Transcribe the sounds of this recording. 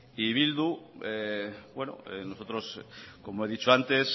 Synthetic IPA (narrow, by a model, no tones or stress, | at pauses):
iβild̪uebwe̞no̰ḛnosot̪ɾo̞sko̞moe̞ðit͡ʃoant̪e̞s